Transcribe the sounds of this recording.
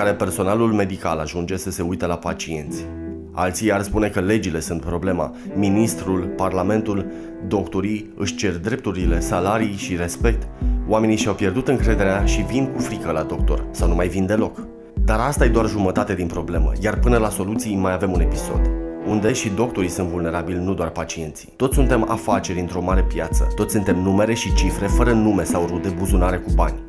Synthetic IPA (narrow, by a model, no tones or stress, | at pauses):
aɾe̞pe̞rso̞nalulme̞d̪ika̰laʒund͡ʒe̞səse̞ujt̪əlapat͡ʃie̞nt̪sʲ | a̰lt̪sijarspune̞kəle̞d͡ʒile̞sunt̪̚pɾo̞ble̞ma̰ | minist̪ɾulparlame̞nt̪ul | d̪o̞kt̪oɾij | ɨʃt͡ʃe̞rd̪ɾe̞p̚t̪uɾile̞salaɾijʃiɾe̞spe̞k̚t̪oame̞niʃiawpje̞rd̪ut̪ɨŋkɾe̞d̪e̞ɾeaʃivinkufɾikəlad̪o̞k̚t̪o̞̰rsawnumajvind̪e̞lo̞k | d̪aɾast̪aje̞d̪oarʒumət̪at̪e̞d̪inpɾo̞ble̞mə̰jarpɨnəlaso̞lut̪sijmajave̞mune̞piso̞̰d̪und̪e̞ʃid̪o̞k̚t̪o̞ɾisunt̪vulne̞ɾabilʲnud̪oarpat͡ʃie̞nt̪si̥t̪o̞t̪ssunt̪e̞ma̰fat͡ʃe̞ɾʲɨnt̪ɾo̞maɾe̞pjat̪sə̰t̪ot̪sunt̪emnume̞ɾe̞ʃit͡ʃifɾe̞fəɾənume̞sawrud̪e̞buzunaɾe̞kubanʲ